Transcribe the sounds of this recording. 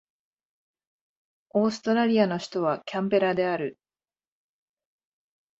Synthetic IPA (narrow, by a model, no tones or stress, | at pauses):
o̞ːsɨ̥t̪o̞ɾaɾʲiano̞çi̥t̪o̞β̞akʲʰãmpe̞ɾad̪e̞aɾɯ̟